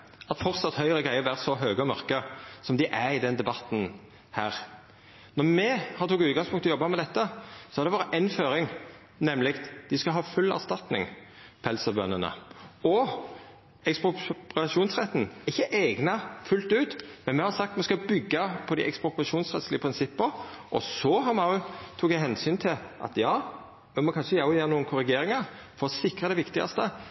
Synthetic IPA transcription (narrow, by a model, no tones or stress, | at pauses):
ɑt̪fɔʁt̪sɑt̪hœʏɾəɡʁæɪəɾʋæːʁsɔɦøːɡəɔmœʁkəsɔmd̪ɪʔæɾɪd̪ɛnd̪ɛbɑt̪n̩ | hæːʁ | nɔɾmɛhɑɾt̪ʰʊːɡʉːt̪ɡɑŋspʰʊŋt̪ɔjɔbːɑmɛd̪ɛt̪ːəsɔhɑd̪ɛʋɑːʁɾəʔɛnføːɾɪŋ | nɛmlɪkt̪d̪̥ɪskɑɦɑːfʉlːæ̰ʁst̪ɑt̪nɪ̰ŋ | pɔhɛlsəbœ̰nːənə̰ɔ | ɛkspʊʁɑʂuːnsʁɛt̪ːn̩ɪçːəʔɛːɡnɑfʉlt̪ʉːt̪mɛnmɛhɑɾsɑkt̪mɛskɑbʏɡːɑpʰɔd̪ɪ̰ʔɛkspʁʊpʁɑʂuːnsʁɛt̪slɪəpʰʁɪnsɪpːəɾʔɔsɔɦɑmɑʉt̪ʰuːɡæɦɛnsyːnt̪ʰɪlʔɑ̰t̪jɑː | mɛmɔkʰɑnʂəjæʊjeːɾnuːənkʰʊɾɪɡeːɾɪŋɑɾ | fɔɾɔsɪkʁəd̪ɛʋɪkt̪ɪɡɑ̰st̪ə